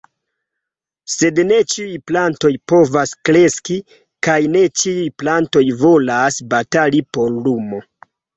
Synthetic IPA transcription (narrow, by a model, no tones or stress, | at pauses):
se̞dne̞t͡ʃiujplanto̞jpo̞vaskɾe̞ski | kajne̞t͡ʃiujplanto̞jvo̞lasbatalipo̞ɾlumo̞